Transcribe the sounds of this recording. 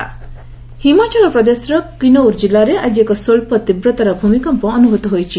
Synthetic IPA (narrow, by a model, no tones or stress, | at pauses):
himat͡ʃalɔpɾɔd̪esɾɔkinoɾd͡ʒilːaɾead͡ʒiekɔsoɭpɔt̪ibɾɔt̪aɾɔbʱumikɔmpɔːnuɦut̪ɔɦojt͡ʃʰi